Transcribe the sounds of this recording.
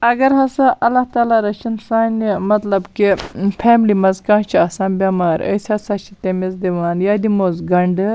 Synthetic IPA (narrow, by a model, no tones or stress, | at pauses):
ɐɡɐɾɦɐsaʔɐlːaht̪aːlaːɾɐt͡ʃʰinsaːnʲimɐt̪lɐbkipʰɛːmlimɐzkãːnt͡ʃʰiɐsãːnbʲɐmaːɾə̰sʲɐsɐt͡ʃʰit̪emezd̪iʋaːnjaːd̪imoːzɡɐɳɖɨ